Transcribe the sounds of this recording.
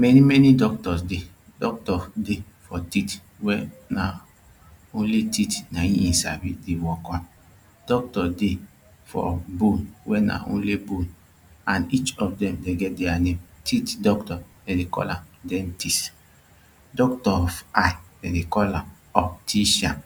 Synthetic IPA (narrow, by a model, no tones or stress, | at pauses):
mɛnimɛnidɔk̚tɔsde | dɔk̚tɔdefɔtit | wɛna | õnlititnaĩĩnsa̰bidewɔkɔ̃m | d̥ɔk̚tɔde | fɔ̰bonwɛna̰ʔõ̰nlebõn | ãnit͡ʃɔfdɛ̃mdeɡɛt̚dɛanemtʰitdɔktɔ | dɛdekɔ̰lãmdɛ̃ntis | dɔk̚tɔɔfajdɛdekɔlã̰m | ɔptʰiʃãn